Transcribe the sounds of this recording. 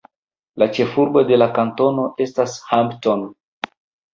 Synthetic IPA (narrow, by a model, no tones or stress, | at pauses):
lat͡ʃe̞fuɾbo̞de̞lakanto̞no̞ʔe̞stashampton